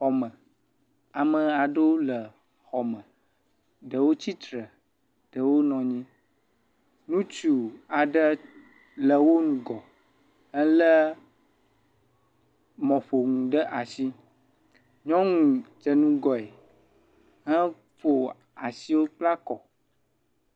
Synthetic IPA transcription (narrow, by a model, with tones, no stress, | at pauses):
xɔ˨mə̃˨ | a˨mə̃˨a˨ɖə˦wo˦lə˨ | xɔ˨mə̃˨ | ɖə˨wo˦t͡ɕi˦t̪ɾə˨ | ɖ̥ə˨wo˦nɔ̃˨ɲĩ˦ | nũ˦t͡ʃu˨a˨ɖə˦ | lə˨wo˦nũ˨ɡɔ˨ | ɦə˦lə˦ | mɔ̃˨ɸo˨ŋũ˨ɖə˦ʔa˨si˦ | ɲɔ̃˦ŋũ˨d͡ʒə˨nũ˦ɡɔ˨e˨ | ɦə̃˦ | fo˨ | a˨si˦wo˦k͡pla˦kɔ˨